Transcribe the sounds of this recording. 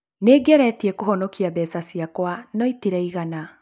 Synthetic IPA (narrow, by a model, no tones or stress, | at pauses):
neːɡɛɾɛtiɛkoɦɔnɔkiabɛsasiakwanɔitiɾɛiɣana